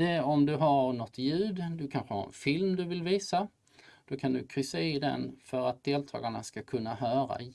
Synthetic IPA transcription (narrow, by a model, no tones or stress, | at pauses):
d̪ɛɔmd̪ɵɦaɾnɔt̪ːjʉ̟ːd̪d̪ɵkʰanɧəha̰ɾɛ̰nfɪlmd̪ɵvɪlviːsa | d̪̥okʰand̪ɵkʰɾʏsːaɪd̪ɛ̰nfœɾat̪̚d̪eːlt̪ʰɑ̰ːɡaɳaskakʰɵnːaɦœːɾa̰